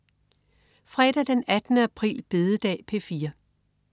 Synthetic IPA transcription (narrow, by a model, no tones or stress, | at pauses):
fʁɛɾ̥ɐd̥enæd̥nəæpʰʁḭːlb̥e̝ðˠəd̥ɛ̰ːpʰe̝fiːɐ